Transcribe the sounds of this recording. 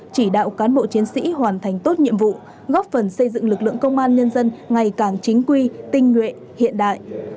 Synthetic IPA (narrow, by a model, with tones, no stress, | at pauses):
t͡ɕi˧˩ɗa̰ː˧˨wkaː˨˦nɓo̰˧˨t͡ɕi˨˦ənsḭ˧˥ɦwaː˨˩nt̪ʰa˨˩jŋ̟t̪o˦˥t̚ɲḭ˧˨əmvṵ˧˨ | ɣɔ˦˥p̚fə˨˩nsə˧jzɨ̰˧˨ŋlɨ˨˩k̚lɨ̰˧˨əŋkə˧wŋ͡mʔaː˧nɲə˧nzə˧nŋa˨˩jkaː˧˩ŋt͡ɕï˨˦ŋ̟kwi˧t̪ï˧ŋ̟ŋwḛ˧˨ | hḭ˧˨ənɗa̰ː˧˨j